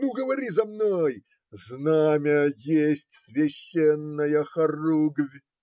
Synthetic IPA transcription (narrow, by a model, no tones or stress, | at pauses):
nuɡəvɐɾʲizɐmnoj | znamʲəjesʲtʲsvʲeɕːenːəjəxɐruɡvʲ